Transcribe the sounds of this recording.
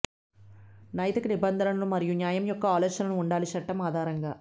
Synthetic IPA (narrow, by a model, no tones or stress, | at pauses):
nɐjt̪ɯkːɯnɪbɐnd̪ɐnɐnɐlɯmɐɾɪjuɲaːjɐmjɔkːɐaːlɐɾʃɐnɐnʊɳɖaːliʃɐʈːɐmaːðaːɾɐŋɡɐ